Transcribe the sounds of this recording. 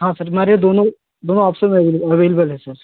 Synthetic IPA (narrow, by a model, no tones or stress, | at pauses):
ɦãːsɐɾmaːɾed̪oːnõ | d̪oːnõaːpsəmɛ̃ɐʋeːlɐʋeːləbəlɦɛ̃sɐɾ